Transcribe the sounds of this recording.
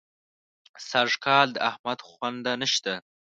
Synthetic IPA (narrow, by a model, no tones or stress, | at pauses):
saʐkɑld̪əahmad̪xwand̪anəʃt̪a